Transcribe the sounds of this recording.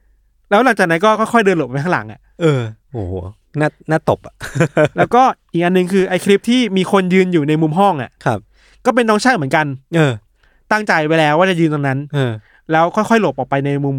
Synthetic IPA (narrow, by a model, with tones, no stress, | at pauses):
lɛː˦˥wla˨˩˦ŋt͡ɕaː˨˩k̚na˦˥nkɔː˥˩kʰɔ˥˩jkʰɔ˥˩jdɤː˧lp̚pa˧jt̪ʰa˦˥ŋla̰˩˦ŋʔa̰˨˩ʔʔɤː˧ | hoː˨˩˦ | naː˥˩naː˥˩t̪o˨˩p̚ʔa˨˩lɛː˦˥wkɔː˥˩ʔiː˨˩k̚ʔa˧nːɯ˨˩ŋkʰɯː˧ʔa˧jkʰɾli˦˥p̚t̪ʰiː˥˩miː˧kʰo˧njɯː˧njuː˨˩na˧jmu˧mɦɔ˥˩ŋʔa̰˨˩ʔkʰa˦˧˩p̚ | kɔː˥˩p̬e˧nːɔː˦˥ŋt͡ɕʰaː˥˩mɯ˩˦nka˧nʔɤː˧ | t̪a˥˩ŋt͡ɕa˧jwa˧˦jlɛː˧waː˥˩t͡ɕa˨˩jɯː˧nt̪a˧ŋna˦˥nʔɤː˧ | lɛː˦˥wkʰɔ˥˩jkʰxɔ˥˩jlo˨˩p̚ʔɔː˨˩kpa˧jna˧jmu˧m